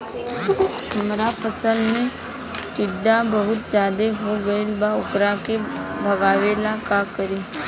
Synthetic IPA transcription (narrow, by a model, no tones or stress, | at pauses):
ɦəmɾapəsəlmẽ | ʈɪɖːabɐɦʊt̪̚d͡ʒjaːd̪eɦoɡɐelbaʊkɾakebʱɐɡaːʋeːlakakəɾiː